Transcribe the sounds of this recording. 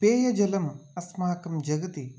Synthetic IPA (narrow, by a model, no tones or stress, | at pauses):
peːjɐd͡ʒɐlɐmɐsmɐɦɐkɐmd͡ʒɐɡɐt̪i